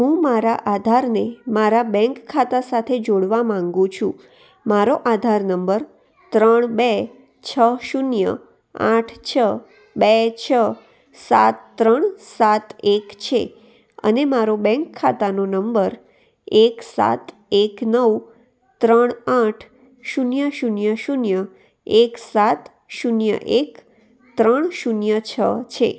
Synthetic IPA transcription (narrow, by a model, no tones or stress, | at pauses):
ɦũmaɾaʔad̪ʱaɾnemaɾabɛ̃ŋkʰːat̪asat̪ʰed͡ʒoɽʋamãŋɡũt͡ʃʰũ | maɾoʔad̪ʱaɾnəmbəɾ | t̪ɾəɳ̃be | t͡ʃʰəʃunjə̰ | ã̰ʈʰt͡ʃʰə | bet͡ʃʰə | sa̰t̪ːɾəɳsat̪ekt͡ʃʰḛ | ə̰nemaɾobɛ̃ŋkʰːat̪anonəmbəɾ | eksa̰t̪ | eknəw | t̪ɾəɳãʈʰ | ʃunjəʃunjəʃunjə | eksat̪ | ʃunjə̰ʔek | t̪ɾəɳ̃ʃunjət͡ʃʰət͡ʃʰḛ